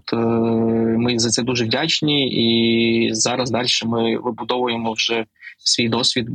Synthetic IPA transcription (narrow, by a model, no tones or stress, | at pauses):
t̪ | mɪzɐt̪sɛd̪uʒɛʋdʲat͡ʃnʲii | zɑɾɐzd̪ɑlʲʃɛmɪʋɪbʊd̪ɔʋʊjemɔwʒɛ | sʲʋʲijd̪ɔsʲʋʲid̪̚